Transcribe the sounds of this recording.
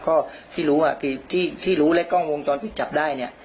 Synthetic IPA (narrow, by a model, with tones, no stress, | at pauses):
kɔː˥˩t̪ʰiː˥˩ɾuː˦˥waː˧˩kʰɯː˧t̪ʰiː˥˩t̪ʰiː˥˩ɾuː˦˥lɛ˦˥kɔ˥˩ŋwo˧ŋt͡ɕɔː˧npi˨˩t̪̚t͡ɕa˨˩p̚daː˥˩jni˥˩ɐ